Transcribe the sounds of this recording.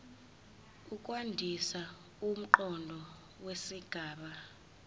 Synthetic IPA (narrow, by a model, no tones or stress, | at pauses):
ukʼwandʱisa | um̩ǃɔndʱɔ | wesiɡ̥ʱaːɓa